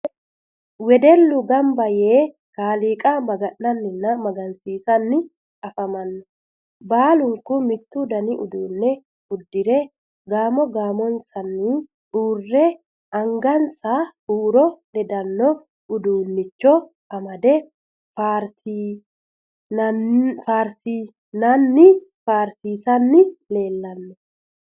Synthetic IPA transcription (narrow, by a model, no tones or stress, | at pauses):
wɛd̪ɛlːʊɡɐmbɐjeː | kaːliːkʼamɐɡɐnːɐnːɪnːɐmɐɡɐnsiːsɐnːɪ | ɐfɐmɐnːɔ | baːlʊŋkʊmɪt̪ːʊd̪ɐniʔʊd̪uːnːɛ | ʊd̪ːɪɾɛ | ɡaːmɔɡaːmɔnsɐnːi | ʔuːrːɛ | ʔɐŋɡɐnsaːuːɾɔlɛd̪ɐnːɔ | ʊd̪uːnːɪt͡ʃːɔ | ɐmɐd̪ɛ | faɾ | faːɾsi | nɐnːɪfaːɾsiːsɐnːɪle̞ːlːɐnːɔ